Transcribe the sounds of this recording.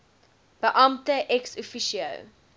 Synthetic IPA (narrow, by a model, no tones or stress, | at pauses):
b̥əʔɐmtəʔɛksufiʃiə̰w